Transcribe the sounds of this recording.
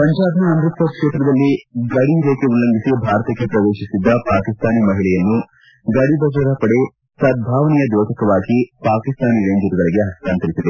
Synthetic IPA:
pɐɲd͡ʒaːbnɐɐmd̪ɾit̪ʋɐkʂeːt̪ɾɐd̪ɐlːiɡɐɽiɾeːkeulːɐŋɡʱisibʱaːɾɐt̪ɐkːepɾɐʋeːʃisid̪ːɐpaːkist̪aːnimɐɦiɭɛjɐnːu | ɡɐɽib̪ʱɐɡɐɾɐpɐɽe | sɐd̪̚bʱaːʋɐnijɐd̪ɔːtɐkɐʋaːɡipaːkist̪aːniɾeːɲd͡ʒiɾuɡɐɭiɡeɦɐstaːnt̪ɐɾisid̪e

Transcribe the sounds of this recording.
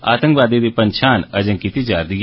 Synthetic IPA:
a̰ːt̪ə̃ŋkʋaːd̪id̪ipənʃʰaːnɐd͡ʒə̃ŋkit̪id͡ʒaːɾd̪ɪ

